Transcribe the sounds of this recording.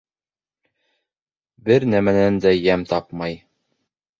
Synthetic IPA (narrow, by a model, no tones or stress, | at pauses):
bɘɾnæmænænd̪æjæmt̪ɑpmɑj